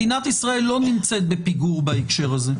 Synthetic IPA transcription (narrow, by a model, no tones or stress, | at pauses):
inat̪isʁae̞lːo̞nimt͡se̞t̪̚bepiɡuʁbaekʃe̞ʁaze